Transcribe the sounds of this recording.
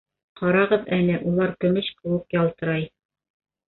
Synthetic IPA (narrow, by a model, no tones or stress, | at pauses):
qɑɾɑʁɤðænɘʔulˠɑɾkɵ̆mɘɕkɘ̆wɘkjɑlˠt̪ɤ̆ɾɑj